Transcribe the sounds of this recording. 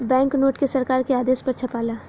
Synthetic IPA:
bɛ̃ːŋknoːʈkesɐɾkaːɾkeaːd̪eːspɐɾt͡ʃʰɐpaːlaː

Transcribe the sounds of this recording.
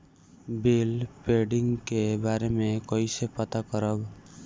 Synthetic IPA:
belpeɖɪ̃ŋɡkebaːɾemẽkəisepət̪akəɾəb

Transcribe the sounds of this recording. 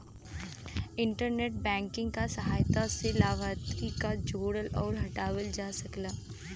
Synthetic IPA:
ɪ̃ɳʈəɾneːʈ̚bɛ̃ːŋkɪ̃ŋɡkasɐɦaːjt̪aselaːʋaːt̪ɾikad͡ʒoːɽəlɔːɾɦɐʈaːʋəld͡ʒaːsɐklaː

